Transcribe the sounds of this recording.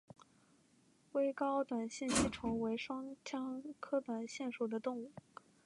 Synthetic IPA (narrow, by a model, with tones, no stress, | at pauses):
we˥ɪkɑ˥ʊt̪wa˨˩nɕjɛ˥˩˧nt͡ɕʰi˥˩ʈ͡ʂʰʊ˧˥ŋwe˧˥ɪʂwɑ˥ŋt͡ɕʰjɑ˥ŋkʰɤ˥t̪wa˨˩nɕjɛ˥˩nʂu˨˩d̪ə˦t̪ʊ˥˧ŋu˥˩